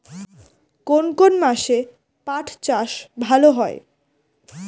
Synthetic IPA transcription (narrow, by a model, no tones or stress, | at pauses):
konkonmaʃe | paʈʰt͡ɕaʃbʱaloɦɔe